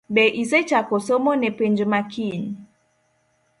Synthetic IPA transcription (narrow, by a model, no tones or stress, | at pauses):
ɓɛʔizɛt͡ʃakɔsɔmɔnɛpɛnd͡ʒmakʰin